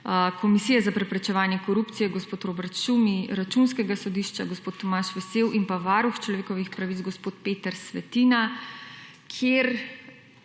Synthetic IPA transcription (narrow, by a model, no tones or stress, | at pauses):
kɔmisijɛzapɾɛpɾɛt͡ʃɛʋaːnjɛkɔɾupt̪sijɛɡospoːt̪ɾoːbɛɾt̪ʃumiɾat͡ʃunskɛɡasɔd̪iʃt͡ʃaɡospoːt̪ːɔmaːʃʋɛseːwʔinpaʋaːɾuxt͡ʃlɔʋeːkɔʋixpɾaʋit̪ɡospoːt̪peːt̪ɛɾsʋɛt̪iːna | kʰjeɾ